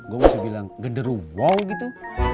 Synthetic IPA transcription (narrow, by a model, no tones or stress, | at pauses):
ɡomusɛbilaŋɡəndəɾuwɔŋɡit̪u